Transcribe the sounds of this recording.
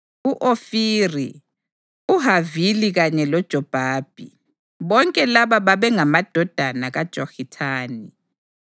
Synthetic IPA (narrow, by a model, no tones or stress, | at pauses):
uʔofiːri | uɦaviliɣaɲɛlɔd̥ʒ̥ʱɔb̥ʱaːb̥ʱi | βɔŋkʼɛlaβaβaβɛŋamad̥ʱɔd̥ʱanaɣad̥ʒ̥ʱɔxitʰaːni